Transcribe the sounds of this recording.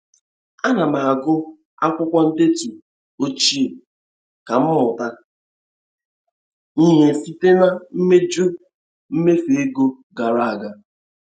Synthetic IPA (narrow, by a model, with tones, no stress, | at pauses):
a˦na˨ma˨a˨ɡʊ˦ | a̰˦kʷʊ˦kʷɔ˦n̩˦de˦tu˨ | o˦t͡ʃi˦e˨ | ka˨m̩˦mʊ˨ta˦ | ni˦ɦe˨si˦te˦na˦m̩˦me˦d͡ʒu˦ | m̩˦me˦fe˨e˦ɡo˦ | ɡa˨ɾa˦˨a˨ɡa˨